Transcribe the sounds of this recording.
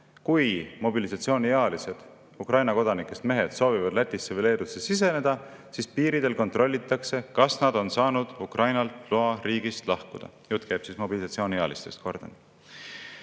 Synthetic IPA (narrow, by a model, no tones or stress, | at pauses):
kujmo̞bilisɑt̪sio̞ːnʲieɑlise̞d̪̥ | ukrɑjnɑko̞d̪ɑnikːˑe̞st̪me̞ɦe̞t̪so̞ːvivɑd̪̥læt̪ʲːˑisːevele̞ːd̪usesise̞ne̞d̪̥ɑ | sispiːɾid̪̥e̞lko̞nt̪ro̞lʲːit̪ːˑɑkse̞kɑsnɑd̪̥o̞nsɑːnud̪̥ukrʔɑjnɑlt̪luɑɾiːɡ̥ist̪lɑhkud̪̥ɑ̰jut̪ːˑkeːb̥sismo̞bilisɑt̪sio̞ːniɑ̰list̪e̞st̪̚ko̞rd̪̥en